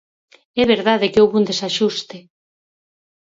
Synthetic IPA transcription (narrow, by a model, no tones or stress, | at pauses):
ɛβeɾðaðekeowβund̪esaʃust̪e